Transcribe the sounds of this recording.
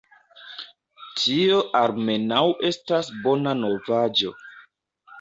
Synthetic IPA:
tʰio̞ʔalme̞nawe̞stasbo̞nano̞vad͡ʒo̞̰

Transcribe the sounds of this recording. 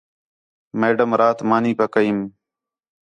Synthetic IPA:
meːɖəmɾaːt̪maːniːpakəiːm

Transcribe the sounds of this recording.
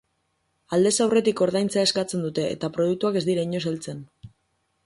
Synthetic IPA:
ald̪e̞sawre̞t̪iko̞ɾðajnt͡sae̞skat͡se̞nd̪ut̪e̞ʔːt̪apɾo̞ð̞uk̚t̪uake̞zd̪iɾaiɲo̞s̬alt͡se̞n

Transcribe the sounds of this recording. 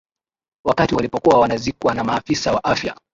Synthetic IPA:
wakatiwalipɔkuwawanazikwanamaːfisawaʔafja̰

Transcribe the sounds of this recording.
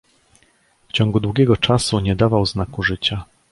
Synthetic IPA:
ft͡ɕɔŋɡud̪wuɡʲjɛɡɔt͡ʂasuɲɛd̪avawznakuʐɘt͡ɕa

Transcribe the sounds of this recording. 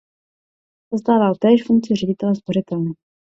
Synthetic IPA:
z̥ost̪aːvalt̪ɛːʃfuŋk̚t͡siɪrɛɟɪt̪ɛlɛsporɪt̪ɛlnɛ

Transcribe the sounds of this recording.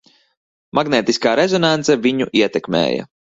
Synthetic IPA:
maɡneːt̪iskaːɾezɔnant̪sɛviɲuʔiɛt̪ɛkmḛːjɐ̰

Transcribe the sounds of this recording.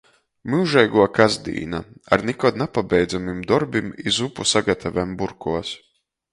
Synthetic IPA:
miwʒɛjɡuɔkazd̪ḭːna̰a̰ɾnikɔd̪napabɛjd̪zamimd̪ɔɾbimizupusaɡat̪ʰavɛmbuɾkuɔs

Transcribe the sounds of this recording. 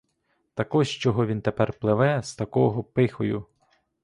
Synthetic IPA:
t̪ɐkɔʒt͡ʃɔɦɔʋʲint̪epɛrplˠɪʋɛst̪ɐkɔɦɔpɪxɔjʊ

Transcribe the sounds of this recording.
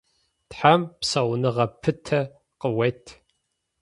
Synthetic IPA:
tħampsɐwnɨʁɐpʰɨtʰɐ | qəwɐjtʰ

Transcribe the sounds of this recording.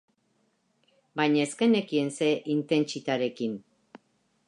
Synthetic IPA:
bajɲaeske̞ne̞kie̞nse̞ʔint̪e̞nt͡ʃit̪aɾe̞kin

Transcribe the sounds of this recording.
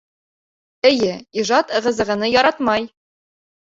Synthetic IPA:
ɘ̆jɘiʒɑt̪ɤ̆ʁɤ̆zɤ̆ʁɤ̆nɤjɒɾɑt̪mɑj

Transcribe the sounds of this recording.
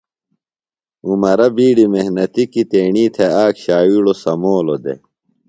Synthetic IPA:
umɐɾɐbiːɖimehnɐt̪ikit̪eːɳiːt̪ʰeaːkɕaːwiɽosɐmoːlod̪ḛ

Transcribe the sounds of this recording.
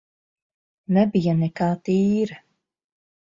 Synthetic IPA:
nɛbijanɛkaːt̪iːɾa

